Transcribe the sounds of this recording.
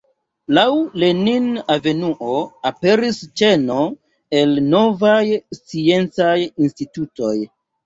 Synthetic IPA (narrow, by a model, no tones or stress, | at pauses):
lawle̞ninave̞nuʔo̞ape̞ɾist͡ʃe̞no̞ | e̞lno̞vajst͡sie̞nt͡sajinstituto̞j